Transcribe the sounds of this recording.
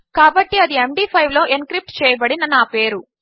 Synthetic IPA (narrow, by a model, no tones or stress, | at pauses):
kaːbɐʈːiɐd̪iemɖiːpʰɐjʋlo̞ːʔenkɾip̚ʈt͡ʃɛːjɐbɐɽinɐnaːpe̞ːɾu